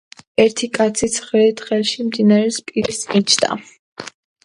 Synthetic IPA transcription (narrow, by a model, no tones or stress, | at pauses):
ɛɾt̪ʰikʼat̪sʰisʰχɾɛit̪χɛlˠʃimd̪inaɾɛspʼiɾisit͡ʃʰd̪a̰